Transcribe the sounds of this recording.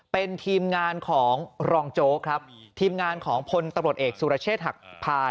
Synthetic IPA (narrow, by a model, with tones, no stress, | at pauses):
pe˧nt̪ʰiː˧mŋaː˧nkʰɔː˩˦ŋɾɔː˧ŋt͡ɕoː˦˥kʰɾa˦˥p̚t̪ʰiː˧mŋaː˧nkʰɔː˩˦ŋpʰo˧nt̪a˧mɾu˨˩ət̪̚ʔeː˨˩k̚suː˨˧ɾa˧˥t͡ɕʰeː˥˩t̪̚ɦa˨˩k̚pʰaː˧